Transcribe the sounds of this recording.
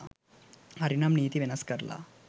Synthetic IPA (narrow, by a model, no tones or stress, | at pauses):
ɦɐɾinamniːt̪iʋenəskəɾla̰